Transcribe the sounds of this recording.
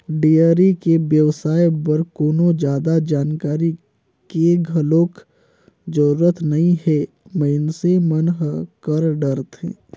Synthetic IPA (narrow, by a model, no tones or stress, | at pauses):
ɖiəɾikebjəʋsaːjbəɾkoːnod͡ʒjaːd̪ad͡ʒaːnkaːɾi | keɡʱəloːk | d͡ʒəɾuːɾət̪nɐɦĩɦɛ | məɪnsemənɦkəɾɖəɾt̪ɦɛ̰̃ː